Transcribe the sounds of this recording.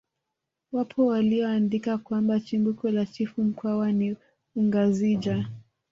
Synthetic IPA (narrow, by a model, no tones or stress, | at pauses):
wapʰɔwaliɔandikakwambat͡ʃimbukɔlat͡ʃifum̩kwawani | uŋɡazid͡ʒa